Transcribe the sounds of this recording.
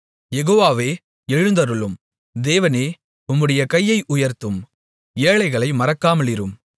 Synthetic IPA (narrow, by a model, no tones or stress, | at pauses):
jɛɣoːʋaːʋeː | ɛɻɯnd̪ɐɾɯɭɯm | d̪eːʋɐneː | ʊmːɯɽɐjɐkɐjːɐɪʔʊjɐɾt̪ːɯm | eːɭɐɪɣɐɭɐɪmɐɾɐkːaːmɐɭɪɾɯm